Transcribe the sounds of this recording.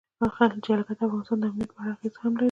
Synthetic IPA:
axalt͡ʃealkat̪afɣɑnɪst̪ɑnd̪əamnjat̪̚pəaxeshamla

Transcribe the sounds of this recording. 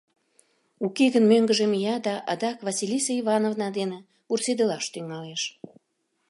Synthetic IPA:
ukeɣənmøŋɡə̆ʒĕmijɑd̪ɑʔɑd̪ɑkvɑsilʲisɑivɑnovnɑd̪ene | ursed̪əlɑʃt̪yŋɑleʃ

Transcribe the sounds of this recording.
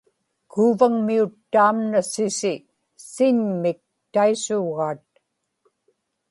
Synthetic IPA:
kʰuːvaŋmiut̪ːaːmnasɪsɪ | sɪɲmɪk̚ | t̪aisuːɣɑːt̪̚

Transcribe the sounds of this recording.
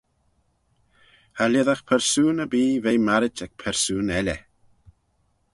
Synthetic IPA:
halɛðaxpʰɛɾsuːnəbiːvejmaɾɪt͡ʃɛk̚pʰɛɾsuːnɛlɛ

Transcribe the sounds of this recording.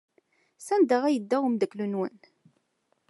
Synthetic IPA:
sænd̪əʁæjəd̪ːæwəmd̪əkːlunwə̰n

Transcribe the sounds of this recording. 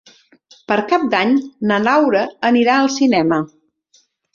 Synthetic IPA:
pəɾkap̚d̪aɲnənawɾəəniɾaəlˠsinɛmə

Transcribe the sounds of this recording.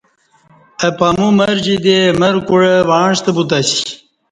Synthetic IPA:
ɐpamumɐɾd͡ʑid̪emɐɾkuɻəwaːɳʂt̪əbut̪asi̥

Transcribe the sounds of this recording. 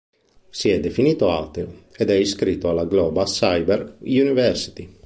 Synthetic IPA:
siɛd̪efiniːt̪oa̰wt̪eoed̪ɛiskɾit̪ːoalaɡlɔːbasajbeɾjunivɛrsi̥t̪i

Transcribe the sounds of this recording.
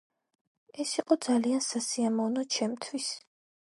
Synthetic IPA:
ɛsiqʼɔd̪zaliansasiamɔnɔt͡ʃʰɛmt̪ʰwis

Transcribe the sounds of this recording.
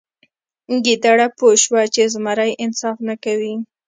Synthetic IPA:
ɡid̪aɽapoʃwat͡ʃezmaɾajʔɪnsɑfnakawi

